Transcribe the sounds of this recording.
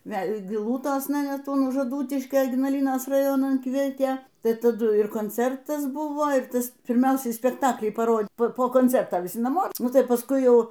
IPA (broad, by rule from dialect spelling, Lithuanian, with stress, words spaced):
ˈʋʲɛlʲ ɡʲɪˈlˠuːtoːsnɐ ˈnʲɛt ʊn ʊʃ ɐˈduːtʲɪʃʲkʲoː ɪɡnɐˈlʲiːnoːs rɐˈjoːnɐn ˈkʋʲiɛtʲeː ˈtɐɪ tɐˈdʊ ɪr koːnʲˈt͡sʲɛrtɐs ˈbʊʋoː ɪr ˈtɐs pʲɪrʲˈmʲɛʊsʲɛɪ sʲpʲɛkˈtɑːklʲiː pɐˈroː poː koːnʲˈt͡sʲɛrtɐ ʋʲɪˈsʲɪ nɐˈmoː ˈnʊ tɐɪ pɐsˈkʊɪ ˈjɛʊ